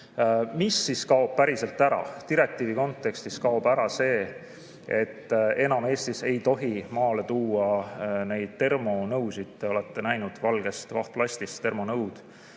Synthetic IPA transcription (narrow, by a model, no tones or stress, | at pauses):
misːiskɑob̥̚pæɾise̞lt̪ːˑæɾɑ̰t̪iɾe̞k̚t̪ˑiːviko̞nt̪ːˑe̞kst̪iskɑob̥æɾɑse̞ː | e̞t̪ːe̞nɑme̞ːst̪ise̞jt̪o̞ɦimɑːle̞t̪uːɑne̞jd̪̥̚t̪e̞rmo̞nɤwsid̪̥t̪e̞o̞le̞t̪ːe̞næjnud̪̥vɑlɡe̞st̪vɑht̪lɑsʲt̪ist̪t̪ːe̞rmo̞nɤwd̪̥